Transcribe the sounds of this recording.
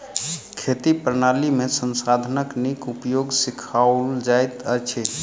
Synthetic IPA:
kʰet̪ipɾənalimesənsad̪ʱənəknikupjoɡsikʰald͡ʒajt̪ət͡ʃʰɛ

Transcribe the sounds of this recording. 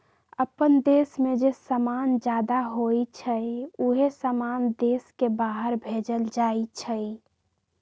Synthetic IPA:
əpənd̪eːsmẽd͡ʒesəmaːnd͡ʒjaːd̪aɦoit͡ʃʰəuɦesəmaːnd̪eːskebaːɦəɾbʱeːd͡ʒəld͡ʒaːit͡ʃʰəi

